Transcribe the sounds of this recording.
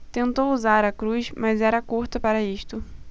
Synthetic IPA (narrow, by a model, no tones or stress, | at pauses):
t̪ẽnt̪owuzaɾɐkɾusmɐzɛɾɐkuɾt̪ɐpaɾɐiʃt̪ʊ